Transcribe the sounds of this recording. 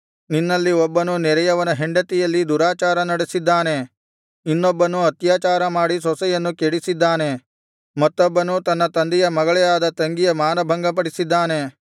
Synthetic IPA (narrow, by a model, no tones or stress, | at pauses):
ninːɐlːiɔbːɐnunɛɾɐjɐʋɐnɐɦeɳɖɐt̪ijɐlːid̪uɾaːt͡ʃaːɾɐnɐɽesid̪ːaːne̞ | inːɔbːɐnuɐt̪jaːt͡ʃaːɾɐmaːɽisɔsɛjɐnːukeɽisid̪ːaːne̞ | mɐt̪ːɔbːɐnut̪ɐnːɐt̪ɐnd̪ijɐmɐɡɐɭɛjaːd̪ɐt̪ɐŋɡijɐmaːnɐbʱɐŋɡɐp̬ɐɽisid̪ːaːne̞